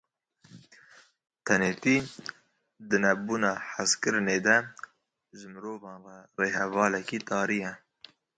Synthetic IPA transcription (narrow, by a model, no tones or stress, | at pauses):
t̪ʰɛneːt̪iː | d̪ɨnɛbuːnɑːħaskɨɾneːd̪ɛ | ʒɨmɨɾoːvɑːnʁɛreːɦɛvɑːlɛkiːt̪ɑːɾijɛ